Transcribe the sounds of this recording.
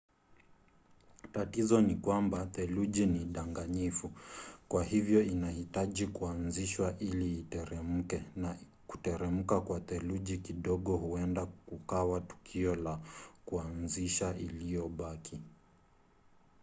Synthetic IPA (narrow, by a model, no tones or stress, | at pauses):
tatizɔnikwambaθɛluʄiniɗaŋɡaɲifukwahivjɔinahitaʄikuanziʃwaʔiliːtɛɾɛm̩kɛna | ku̥tɛɾɛm̩kakwaθɛluʄikiɗɔɠɔhuɛndakukawatu̥kʰiɔlakuanziʃaʔilijɔɓakʰi